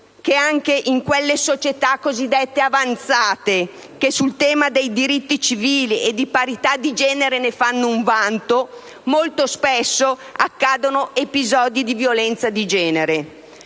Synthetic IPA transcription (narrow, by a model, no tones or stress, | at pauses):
keaŋkeʔiŋkwelːesot͡ʃet̪akːozid̪ːɛt̪ːeavant̪saːt̪e | kesult̪ɛːmad̪ejd̪iɾit̪ːit͡ʃiviːlied̪ːipaɾit̪ad̪id͡ʒɛːneɾenefanːouɱvant̪o | molt̪ospesːoakːaːd̪onoepizɔːd̪id̪ivjolɛnt̪sad̪id͡ʒɛːneɾe